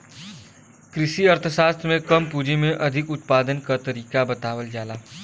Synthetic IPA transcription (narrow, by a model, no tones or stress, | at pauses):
kɾɪʃiɐɾt̪ʰəʃaːst̪ɾmẽkɐmpuːd͡ʒimẽʔɐd̪ʱɪkʊt̪̚paːd̪ənkat̪ɐɾiːkabɐt̪aːwəld͡ʒaːlaː